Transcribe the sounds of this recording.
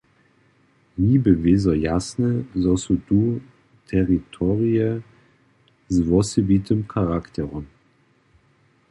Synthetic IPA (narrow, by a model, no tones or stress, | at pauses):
niːbəveːzɐjasnəzɔsutuː | tʰɛʁitʰɔʁiə | zvɔsəbitəmkʰaʁakt̪ʰɛʁɔm